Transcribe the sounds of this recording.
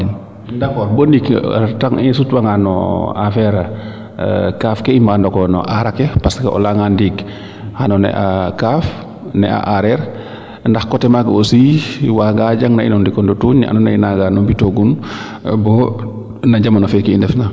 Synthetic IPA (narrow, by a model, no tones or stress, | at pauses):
dakɔboniktaŋisutwaŋanɔ̰afɛɾa | kaːfkɛimbandɔkɔnɔ̰ʔaɾakɛpaskɛɔ̰laŋandiɡ | hanɔnɛ̰ʔakaːf | nɛa̰ʔaɾɛɾ | ndaxkɔtɛmaɡosiwaɡaɟaŋnainɔndikɔndɔtuːɲnɛʔa̰nɔnɛinaɡanɔbitoɡun | bɔ | naɟamanɔfɛkiːndɛfna